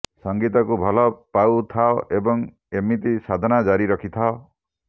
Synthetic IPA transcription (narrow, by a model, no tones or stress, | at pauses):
sɔŋɡit̪ɔkubʱɔlɔpawt̪ʰaɔʔebɔŋ | emit̪isad̪ʱɔnad͡ʒaɾiɾɔkʰit̪ʰao